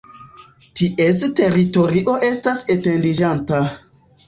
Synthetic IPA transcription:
tiʔeste̞ɾito̞ɾiʔo̞ʔe̞stase̞te̞ndid͡ʒanta

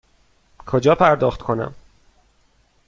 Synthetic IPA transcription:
kʰod͡ʒɒːpʰæɾd̪ɒːxt̪kʰonæ̰m

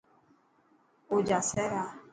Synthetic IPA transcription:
od͡ʒasɛɾa

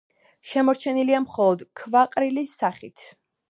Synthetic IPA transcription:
ʃɛmɔɾt͡ʃʰɛniliamχɔlˠɔd̪kʰvaqʼɾilisːaχit̪ʰ

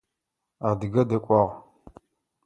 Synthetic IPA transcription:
aːdɨɡɐdɐkʷʼɑːʁ

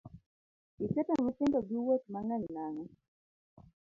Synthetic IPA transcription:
ikɛtɔmusɪndɔɡiwot̪̚maŋaɲnaŋɔ

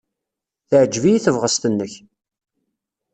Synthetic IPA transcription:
θəʕd͡ʒːvijiθəvʁəst̪ənːəç

